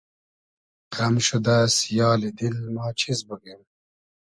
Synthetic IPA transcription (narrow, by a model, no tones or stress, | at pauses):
qɐmɕud̪asjɑːlid̪ilmɑːt͡ɕʰizbuɡim